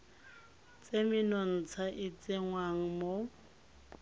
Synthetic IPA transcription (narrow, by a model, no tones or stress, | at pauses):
t͡sʼemɪnɔn̩t͡sʰaʔɪt͡sʼɪŋwaŋ̩mo